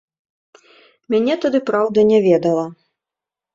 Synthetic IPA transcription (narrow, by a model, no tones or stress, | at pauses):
mʲanʲɛt̪ad̪ɨpɾawd̪ɐnʲɛvʲɛd̪ɐlˠɐ